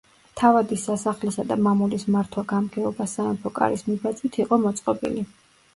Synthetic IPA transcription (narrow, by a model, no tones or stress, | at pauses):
t̪ʰavad̪isːasaχlisad̪amamulismaɾt̪ʰwaɡamɡɛɔbasanɛpʰɔkʼa̰ɾismibat̪sʼwit̪ʰiqʼɔmɔt̪sʼqʼɔbḭli